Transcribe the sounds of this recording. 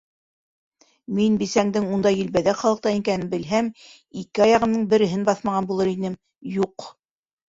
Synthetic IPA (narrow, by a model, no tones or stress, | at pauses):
minbisæŋd̪ɘŋund̪ɑjɘ̆lbæðæχɑlˠɤq̚t̪ɑiŋkænɘbɘ̆lɦæm | ikɘɑjɑʁɤ̆nːɤɴbɘ̆ɾɘ̆ɦɘnbɑθmɑʁɑnbulˠɤɾinɘm | juq